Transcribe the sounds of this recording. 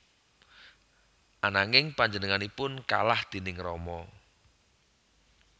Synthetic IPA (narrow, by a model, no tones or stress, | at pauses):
ʔanaŋɪŋpaɲd͡ʒənəŋanipʊnka̰lahd̪̥e̤nɪŋrɔmɔ